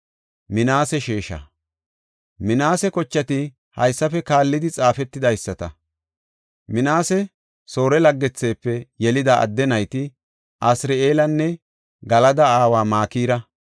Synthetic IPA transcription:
mɪnaːsɛʃeːʃɐ̰ | mɪnaːsɛkɔt͡ʃːɐt̪ɪ | hɐ̰jsːɐfɛkaːlːɪd̪ɪt͡sʼaːfɛt̪ːɪd̪ɐjsːɐt̪ɐ | mɪnaːsɛ | so̞ːɾɛlɐɡːɛt͡sːeːpːɛjɛlɪd̪aʔɐ̰d̪ːɛnɐjt̪ɪ | ʔɐsɾeeːlɐnːɛ | ɡɐlɐd̪ɐaːwaːmaːkiːɾɐ

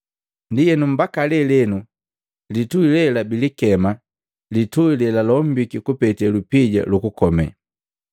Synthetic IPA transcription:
ndijɛnum̩bakalɛlɛnu | lituilɛlabilikɛma | lituilɛlalɔm̩bikikupɛtɛlupiɟa̰lukukɔmɛ̰

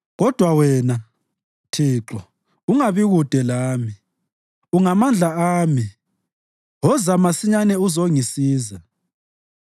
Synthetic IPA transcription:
ɣɔd̥ʱwawɛna | tʰiːǁɔ | uŋaβiɣud̥ʱɛlaːmi | uŋamand͡ɮʱaaːmi | ɣɔzamasiɲanɛuzoŋisiːza

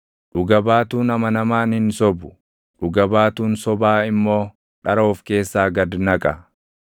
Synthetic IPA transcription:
ᶑʊɡɐbaːt̪uːnɐmɐnɐmaːnɪnsɔbʊ̥ | ᶑʊɡɐbaːt̪uːnsɔbaːɪmːo̞ː | ᶑɐɾo̞ːfke̞ːsːaːɡɐd̪nɐkʼɐ

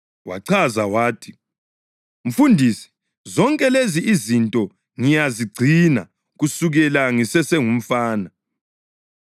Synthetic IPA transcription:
wa̰ǀʰazawaːtʰi̥ | m̩fundʱiːsi̥ | zɔŋkʼɛleziʔizintʼɔ | ŋijaziɡ͡ǀʱina̰ | ɣusuɣɛlaŋisɛsɛŋum̩faːna

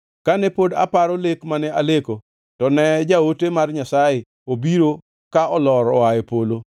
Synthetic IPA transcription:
kanɛpoda̰paɾɔlekmanɛaleko | tɔnɛd͡ʒaotemarɲasaje | obiɾo | kaɔlɔɾɔwajepolo

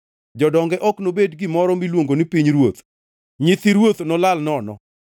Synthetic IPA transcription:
d͡ʒɔdɔŋɡɛʔɔknobedɡɪmɔɾɔmilwoŋɡonipiɲɾwot̪ | ɲɪt̪iɾwot̪nɔlalnɔnɔ̰

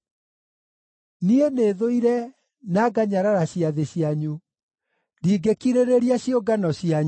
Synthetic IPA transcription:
nieneːðoiɾɛ | naɡaɲaɾaɾaɕiaðeɕiaɲu | diːɡekiɾeɾeɾiaɕioɡanɔɕiaɲ

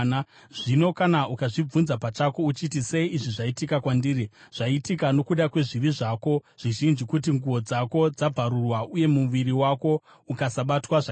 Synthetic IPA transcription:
a | ʐ̥ino̞kanaʔukaʐib͡vunzapat͡ʃako̞ut͡ʃit̬ise̞iːʐiʐaitikakwandiːriʐ̥aitikano̞kuɗakwe̞ʐiriʐako̞ʐ̥iʒind͡ʒikutiŋɡuʋo̞d͡zako̞d͡zab͡vʱaɾurwaʔuje̞muʋiɾiwako̞ | ukasaɓatwaʐa

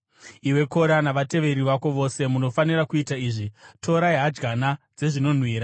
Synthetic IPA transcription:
iwe̞ko̞ɾanaʋate̞ʋe̞ɾiʋako̞ʋo̞se̞muno̞fanirakuitaiːʐitʰo̞ɾajɦad͡ʒɡanad͡ze̞ʐino̞n̤wiːɾa

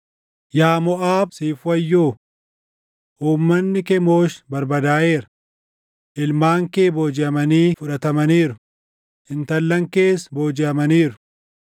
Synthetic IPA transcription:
jaːmɔʔaːbsiːfʊwɐjːoː | ʔuːmːɐnːɪkɛmoːʃbɐɾbɐd̪aːʔe̞ːɾɐ | ʔɪlmaːŋkeːboːd͡ʒɪɐmɐniːfʊᶑɐt̪ɐmɐniːɾʊ̥ | ʔɪnt̪ɐlːɐŋke̞ːsboːd͡ʒɪɐmɐniːɾʊ̥

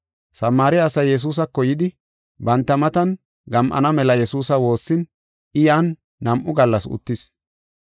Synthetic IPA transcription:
sɐmːaːɾɪɐsɐjːɛs̬uːs̬ɐkːɔjɪd̪ɪ | bɐnt̪ːɐmɐt̪ɐn | ɡɐmʔɐ̰nɐmɛlɐjɛsuːsɐwo̞ːsːɪn | ɪjaːnː | ɐmʔʊɡɐlːɐsʊ̰t̪ːɪs

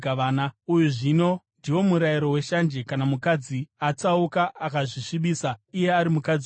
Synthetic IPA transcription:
aaːnaujuʐino̞ndiwo̞muɾajiɾo̞we̞ʃand͡ʒekanamukad͡ziat͡saukaʔːkaʐiʂiɓiːsaije̞aɾimukad͡z

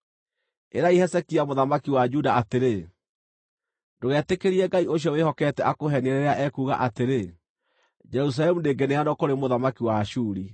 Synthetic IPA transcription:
eɾaihɛsɛkiamoðamakiwad͡ʒudaateɾe | ndoɣɛːtekeɾiɛɡaioɕ̬jɔwehɔkɛtɛʔakoɦɛneɾeɾeaʔɛkuːɣa̰ʔateɾe | d͡ʒɛɾus̬alɛmuneɡɛneanɔkoɾemoðamakiwaʃuːɾi

